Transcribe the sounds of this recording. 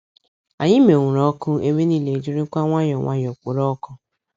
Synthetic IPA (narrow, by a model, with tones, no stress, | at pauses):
a˨ɲɪ˦me˨ŋʷʊ˨ɾɔ˦kʊ˦e˦me˦ni˦le˨d͡ʒi˦ɾi˦kʷa˦ŋʷa˦ɲɔ˨ŋʷa̰˦ɲɔ˨kʷo˨ɾɔ˦kʊ˦